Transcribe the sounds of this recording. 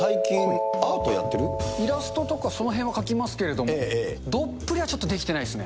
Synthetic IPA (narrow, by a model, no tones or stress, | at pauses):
saikʲĩŋaːt̪oja̰t̪ːeɾɯ̟iɾasɨ̥t̪o̞t̪o̞kaso̞no̞ɦẽβakakʲimasɨ̥ke̞ɾe̞d̪o̞moeed̪o̞pːɯ̟ɾʲiβat͡ɕo̞t̪ːod̪ekʲit̪eaid̪sɨne̞